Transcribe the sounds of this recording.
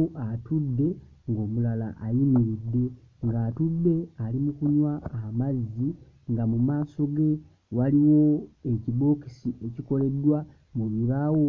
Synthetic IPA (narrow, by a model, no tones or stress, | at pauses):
ʔatudːe̞ | ŋɡo̞ːmulala̰ʔːjimiɾid̪ːe̞ | ŋɡaːtudːe̞alimukuɲwaːmazːi | ŋɡamumaːso̞ɡe̞ | waliwo̞eciβo̞ːki̥siʔeciko̞le̞d̪ːwa | muβiβawo